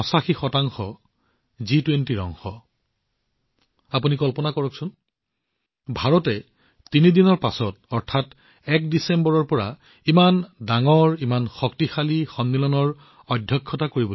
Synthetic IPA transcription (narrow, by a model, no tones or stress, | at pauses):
ɔsaxixɔtaŋxɔ | zitwentiɹɔ̰ŋxɔ | apunikɔlpɔnakɔɹɔksʊn | bʱaɹɔtɛ | tinidinɔɹpasɔtɔɹtʰat | ɛk̚disembɔɹɔɹpɔɹa̰ | imandaŋɔɹimanxɔktixalixɔnːilɔnɔɹ | ɔdʱjɔkʰːɔtakoɹibɔ